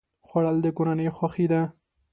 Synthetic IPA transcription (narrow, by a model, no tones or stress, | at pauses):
xwaɽald̪əkoɾanəjxwaxid̪a